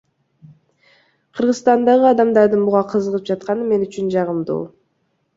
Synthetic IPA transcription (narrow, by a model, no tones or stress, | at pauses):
qʰɯɾʁɯzst̪ɑnd̪ɑʁɯɑd̪ɑmd̪ɑɾd̪ɯnbuʁɑqʰɯzəʁɯp̚d͡ʒɑt̪̚qɑnɯme̞nyt͡ʃynd͡ʒɑʁɯmd̪ṵː